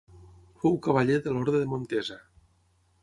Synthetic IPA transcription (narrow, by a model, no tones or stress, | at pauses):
fowkaβaʎeðəlɔɾðɾeðemont̪eza